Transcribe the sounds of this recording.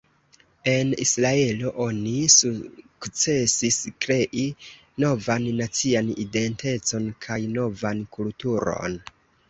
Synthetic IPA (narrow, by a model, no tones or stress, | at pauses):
e̞nḭsɾae̞lo̞ʔo̞nisukt͡se̞siskɾe̞ʔi | no̞vanːat͡sianide̞nte̞t͡so̞nkʰajno̞vankultuɾo̰n